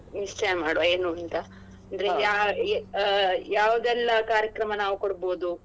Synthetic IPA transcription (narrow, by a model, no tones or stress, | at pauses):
nist͡ʃɐmaːɽʋɐeːnuɐnt̪ɐ | ɐnd̪ɐɾeja | jaːʋud̪ɛlːɐkaːɾjɐkɾɐmɐnaːʋukoɽboːd̪u